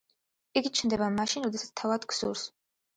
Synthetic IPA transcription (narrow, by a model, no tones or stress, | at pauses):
iɡit͡ʃʰnd̪ɛbamaʃinɾɔd̪ɛsat̪st̪ʰavad̪ksṵɾs